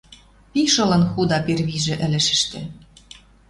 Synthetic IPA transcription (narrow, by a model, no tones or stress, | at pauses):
piʃɤ̆lɤ̆nxud̪ɑperβiʒĕʔɘ̆lɘ̆ʃɘ̆ʃt̪ĕ